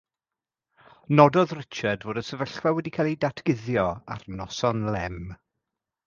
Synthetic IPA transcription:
nɔdɔðrɪt͡ʃadvoːdəsəvəɬwɛwɛdikʰalˠidatʰɡ̥ɪðjɔa̰rnɔsɔnlɛm

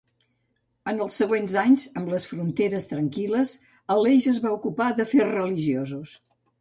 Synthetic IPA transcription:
ənəlˠsːəɣwenzaɲzəmləsfɾunt̪eɾəst̪ɾəŋkiləz | əleʒəzβaukupaðəferrəliʒiozus

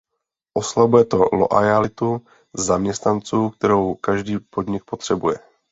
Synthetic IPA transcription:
ʔo̞slabujɛt̪o̞lo̰ʔajalɪt̪u | zamɲɛst̪nant͡suːk̚t̪ɛɾo̞wkaʒdiːpo̞d̪ɲɪk̚po̞t̪r̝̥ɛbujɛ

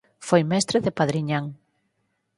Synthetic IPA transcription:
fojmɛst̪ɾeðepaðɾiɲaŋ

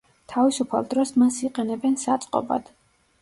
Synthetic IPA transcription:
t̪ʰavisupʰa̰lˠd̪ɾɔsmansiqʼɛnɛbɛnsat̪sʼqʼɔ̰ba̰d̪̥

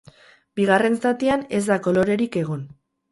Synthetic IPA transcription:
biɣ̞are̞nsat̪iane̞zd̪ako̞lo̞ɾe̞ɾike̞ɣ̞o̞n

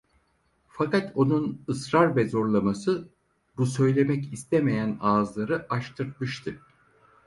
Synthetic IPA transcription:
fakat̪ʰo̞nunɯsɾaɾvɛzo̞ɾlˠamasɯ | busø̞jlʲe̞mɛcist̪ʰɛmejænaːzlˠaɾɯʔaʃt̪ʰɯɾt̪̚mɯʃt̪ʰɯ

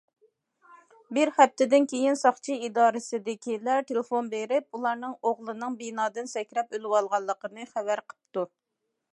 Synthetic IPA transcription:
bɪɾχæp̚t̪ʰɪd̪ɪnkʲejinsɑχt͡ʃʰiid̪ɑːɾɨsɨd̪ɪkʲʰilɛt̪ʰelɪfonbeɾɪpulˠɑɾnɨŋoʁlˠɨnɨŋbinɑːd̪ɨnsɛkʲɾɛpølɪwɑlˠʁɑlˠːəqənɨχævæɾqʰə̥p̚t̪u

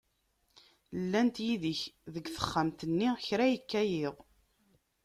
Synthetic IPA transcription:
lːænt̪jiðəçðəɡθə̥χːamt̪ənːiçɾæjəkːæjɪʁ

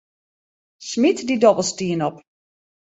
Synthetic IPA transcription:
smitdidɔbəl̩ˠstiənɔp

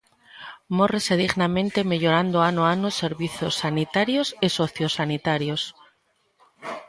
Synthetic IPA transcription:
moreseð̞iɣnamẽnt̪e̞me̞ʎoɾand̪oanoanose̞ɾβiθjo̞sːanit̪aɾjosesoθjosːanit̪aɾjos

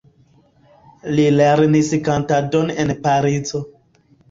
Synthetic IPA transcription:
lileɾniskantadonenpaɾid͡zo

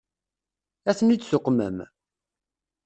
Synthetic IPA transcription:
æθənit͡sːsʊqːmə̰m

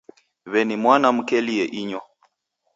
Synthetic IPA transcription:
βɛnimwanam̩kɛliɛʔiɲɔ

